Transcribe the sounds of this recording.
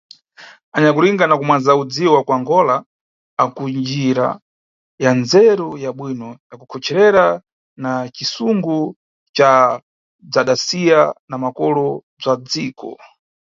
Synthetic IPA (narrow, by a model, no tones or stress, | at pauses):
aɲak̬uliŋɡanakumwanzaud͡ziwɔwakwaŋɡɔlaː | kund͡ʒiɾa̰ | jand͡zɛɾujaɓwinɔjakukʰɔt͡ʃʰɛɾɛɾa | nat͡ʃisuŋɡu | t͡ʃa | b͡ʐaɗasijanamakɔlɔb͡ʐad͡ziːkɔ̰